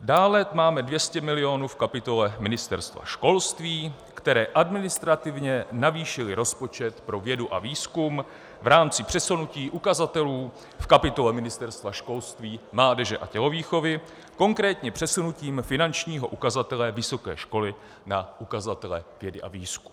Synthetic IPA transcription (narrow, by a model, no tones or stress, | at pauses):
daːlɛt̪maːmɛdvjɛscɛmɪlɪo̞nuːfkapɪt̪o̞lɛmɪnɪst̪ɛɾst̪va̰ʃko̞lst̪viː | kt̪ɛɾɛːʔadmɪnɪst̪ɾat̪ɪvɲɛnaviːʃɪlɪɾo̞spo̞t͡ʃɛt̪pɾo̞vjɛduʔa̰viːskum | vɾaːmt͡sɪpr̝̥ɛsunuciːʔukazat̪ɛluː | fkapɪt̪o̞lɛmɪnɪst̪ɛɾst̪vaʃko̞lst̪viːmlaːdɛʒɛʔa̰cɛɦo̞viːxo̞vɪ | ko̞ŋkɾɛːt̪ɲɛpr̥ɛsunuciːmfɪnant͡ʃɲiːɦo̞ʔukazat̪ɛlɛvɪso̞kɛ̰ːʃko̞lɪ | naʔukazat̪ɛlɛ̰vjɛdɪʔa̰viːsku̥m